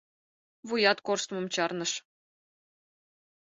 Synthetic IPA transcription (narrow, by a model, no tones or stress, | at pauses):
vujɑt̪korst̪mɤ̆mt͡ɕɑrnɤ̆ʂ